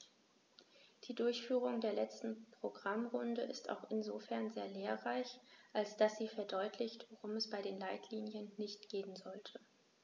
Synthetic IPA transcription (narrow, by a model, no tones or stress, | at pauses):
d̥iːdʊɐçfyːʁ̞ʊŋdeːɐlɛt͡stn̩pʁ̥oɡʁamʁʊndəʔɪsta̰ʊxɪnzofɛɐnzeːɐleːɐʁaɪçʔalsd̥asz̥iːfɛɐdɔʏtʰlɪçtv̥oʁʊmɛsb̥aɪɾeːnlaɪtʰliːnjənːɪçtɡ̥eːənzɔltʰə